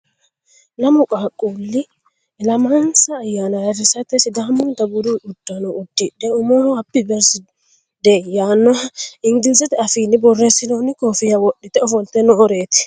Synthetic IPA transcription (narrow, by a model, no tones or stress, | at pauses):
nɐmʊkʼaːkʼːuːlːɪ | lɐmansɐːjːanɐɐrːɪsɐt̪ːɛsɪd̪aːmʊnt̪ɐbʊɾuʔʊd̪̥ːɐnɔʔʊd̪̥ːɪᶑːɛʊmonɐpːɪbɛɾs | d̪ejaːnːɔɐɪŋɡɪnsɛt̪ɛɐfiːnːɪbɔrːeːsːɪnoːnːɪkoːfɪjɐwɔɗːɪt̪ɛɔfɔnt̪ɛnɔʔɔɾeːt̪ɪ̥